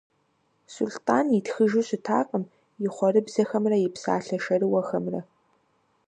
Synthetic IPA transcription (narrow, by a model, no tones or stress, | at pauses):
sultʰʼaːnɪtxɨʒuɕʼɪtʰaːqʼəm | jɪχʷɔrɨbz̥ɐxɐmrɐjɪpsa̰ːɬɐʃɐɾɨwɐxɐmrɐ̰